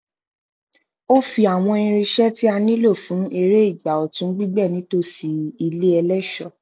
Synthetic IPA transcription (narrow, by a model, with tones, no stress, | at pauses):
o˦fi˧a˨w̃ɔ̃˧ĩ˧ɾ̃ĩ˧ʃɛ˦ti˦a˧nĩ˦lo˦˨fũ˨˦e˧ɾe˦i˦˨ɡ͡ba˨ɔ˨tũ˨˦ɡ͡bi˦ɡ͡bɛ˦˨nĩ˨˦to˦si˨i˧le˦ɛ˧lɛ˦ʃɔ˦˨